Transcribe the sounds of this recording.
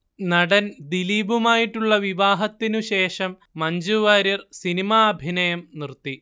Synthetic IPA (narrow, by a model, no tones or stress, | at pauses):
nɐɽɐnd̪iliːbumaːjiʈːuɭːɐʋiʋaːɦɐt̪ːinuɕe̞ːʂɐmːɐɲd͡ʑuʋaːɾirsinimaːbʱinɐjɐmnirt̪ːi